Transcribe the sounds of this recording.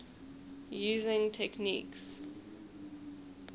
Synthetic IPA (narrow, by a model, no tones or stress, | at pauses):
juːzɪ̃ŋtʰɛknḭks